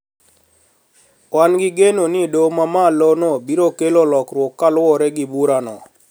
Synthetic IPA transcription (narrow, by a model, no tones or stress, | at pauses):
wanɡɪɡenonidomamalonobiɾokelolɔkɾwɔkːalwɔɾɛɡɪbuɾanɔ̰